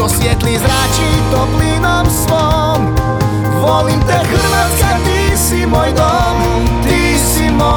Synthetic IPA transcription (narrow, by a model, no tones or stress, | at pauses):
ɔsʋɪɛt̪lizɾat͡ʃid̪ɔpliːnɔmsʋɔ | m | ɡʋɔlimt̪ɛɣəɾʋɛskat̪isimɔjd̪ɔ | m | t̪i | simɔ